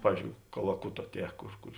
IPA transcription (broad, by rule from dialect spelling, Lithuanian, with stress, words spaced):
ˈpɑːʋʲiːzʲd͡ʒʲoːʊ kɐlˠɐˈkʊtoː ˈtʲiɛ ˈkʊr ˈkʊr